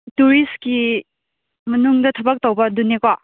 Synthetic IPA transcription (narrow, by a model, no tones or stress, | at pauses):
tuɾiski | mɐnuŋdɐtʰɐbɐk̚towbɐdunekɔ